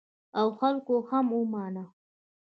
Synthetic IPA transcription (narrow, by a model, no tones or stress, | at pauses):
awxalkohamumɑːna